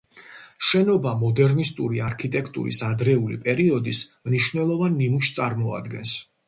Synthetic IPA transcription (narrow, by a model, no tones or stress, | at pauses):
ʃɛnɔbamɔd̪ɛɾnist̪ʼuɾiaɾkʰit̪ʼɛkʰt̪ʼṵɾḭsad̪ɾɛulḭpʼɛɾiɔd̪ismniʃvnɛlˠɔvanːimuʃt̪sʼaɾmɔa̰d̪ɡɛ̰ns